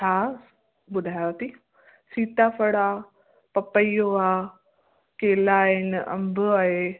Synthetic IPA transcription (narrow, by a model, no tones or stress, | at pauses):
t͡ʃʰaː | bʊd̪ʱaːjot̪i | siːt̪apʰɐɽaː | pɐpəijoaː | keːlaːɦɪnɐ̰̃mbʱʊaːɦe